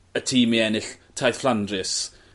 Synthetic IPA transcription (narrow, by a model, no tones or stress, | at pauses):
ətʰiːmiɛnɪɬtʰajθflˠandrɪs